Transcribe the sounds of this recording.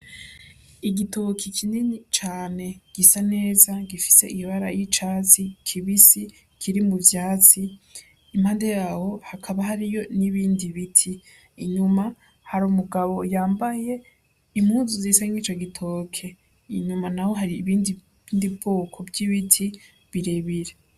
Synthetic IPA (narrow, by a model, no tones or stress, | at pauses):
iɡitokʰikʰininit͡ʃaːne̞ɡ̥isane̞ːzaɡifi̥se̞ʔiβaɾa̰jit͡ʃat͡sikʰiβisi | kʰiɾimuvjaːt͡siː | m̥haːndejaːwo̞hakʰaβaɦaɾijo̞niβiːndiβitʰiː | ɲuma | haɾuːmuɡaβo̞jaːmbaje̞ | imhuːzuziːsaŋit͡ʃoɡitʰo̞ːkʰe̞ | iɲumanaho̞ɦaɾiβiːndi | ndibbo̞ːkʰo̞bɟiβitʰi | βiɾe̞βiɾe